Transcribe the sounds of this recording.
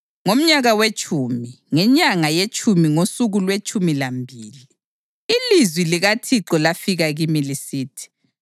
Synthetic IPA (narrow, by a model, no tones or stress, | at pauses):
ŋom̩ɲaɣawet͡ʃʼumi | ŋɛɲaŋajet͡ʃʼumiŋosuɣulwet͡ʃʼumilambʱiːli | ilizwiliɣatʰiǁɔlafiɣaɣimilisiːtʰi̥